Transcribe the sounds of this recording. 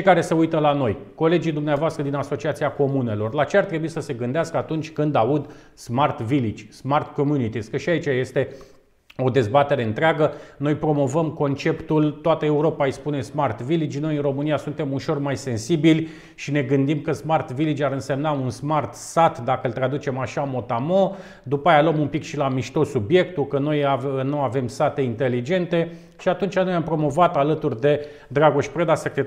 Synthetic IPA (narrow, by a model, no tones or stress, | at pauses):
t͡ʃekaɾe̞se̞ujt̪əlano̞jko̞le̞d͡ʒijd̪umneavoast̪ɾəd̪inaso̞t͡ʃiat̪siako̞mune̞lo̞rlat͡ʃeart̪ɾe̞buisəse̞ɡɨnd̪easkəat̪unt͡ʃʲkɨnd̪aud̪ | smart̪vilid͡ʒʲsmart̪ko̞mjunit̪iskəʃiait͡ʃaje̞st̪e̞ | o̞d̪e̞zbat̪e̞ɾe̞ɨnt̪ɾeaɡəno̞jpɾo̞mo̞vəmko̞nt͡ʃe̞pt̪ult̪oat̪əe̞uɾo̞pajspune̞smart̪vilid͡ʒʲno̞jɨnro̞mɨnijasunt̪e̞muʃo̞rmajse̞nsibilʲ | ʃine̞ɡɨnd̪imkəsmart̪vilid͡ʒʲaɾɨnse̞mnaunsmart̪sat̪d̪akəɨlt̪ɾad̪ut͡ʃe̞maʃamo̞t̪amo̞ | d̪upajalomumpikʃilamiʃt̪osːubje̞k̚t̪ukəno̞januave̞msat̪e̞int̪e̞lid͡ʒe̞nt̪e̞ | ʃiat̪unt͡ʃanojampɾo̞mo̞vat̪alət̪urʲd̪e̞ | d̪ɾaɡoʃʲpɾed̪asekɾe